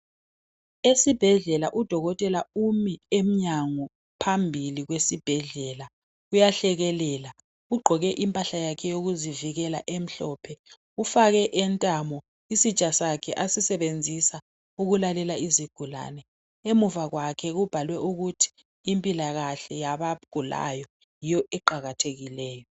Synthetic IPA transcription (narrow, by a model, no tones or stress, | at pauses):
esib̥ʱɛɮɛlaʔud̥ʱɔɣɔtʼɛlaumiem̩ɲaŋɔ | pʰambʱiliɣwesib̥ʱɛɮɛla | ujaɬɛɣɛlɛːla | uɡ͡ǃʱɔɣɛʔimpʼaɬajakʰɛjoɣuziviɣɛla̰ʔem̩ɬɔːpʰɛ | ufaɣɛʔɛntʼamɔ | isit͡ʃʼasakʰɛʔasisɛβend͡zʱisa | uɣulalɛlaiziɡ̥ʱula̰nɛ | emuvaɣwakʰɛɣub̥ʱalwɛʔuɣutʰi̥ː | mpʼilaɣaɬɛjaβaɡ̥ʱula̰jɔ | jijɔʔɛǃaɣatʰeɣilɛːjɔ